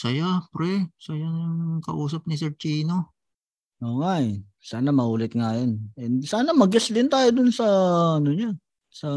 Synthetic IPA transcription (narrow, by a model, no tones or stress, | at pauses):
sɐjapɾɛsɐjanʊŋkɐ̰ʔuːsɐp̚nɪsɛt͡ʃiːno | ʔo̞ːŋaʔɛ | saːnɐmɐʔuːlɪt̪̚ŋajonʔɛnsaːnɐmɐɡɪsd̪ɪnt̪aːjod̪ʊnsɐɐnʊɲa | sɐ